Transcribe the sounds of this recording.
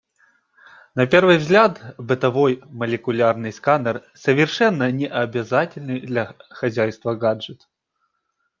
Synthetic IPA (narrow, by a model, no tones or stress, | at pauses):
nɐpʲe̞rvɨjvzɡlʲat̪bɨt̪ɐvo̞jməlʲɪkʊlʲarnɨjskanər | səvʲɪrʂɛnːənʲɪʔɐbʲɪzatʲɪlʲnɨjd̪lʲɐxɐzʲæjst̪vəɡad͡ʐʐɨt̪